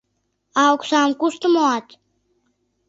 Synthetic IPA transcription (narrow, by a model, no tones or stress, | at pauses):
ɑoksɑmkust̪əmoɑt̪